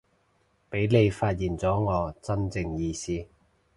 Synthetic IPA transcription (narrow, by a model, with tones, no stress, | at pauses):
pe˨˥jle˨˧jfaː˧t̚jiː˨˩nt͡sɔː˨˥ŋɔː˨˧t͡sɐ˥nt͡sɪ˧ŋjiː˧siː˥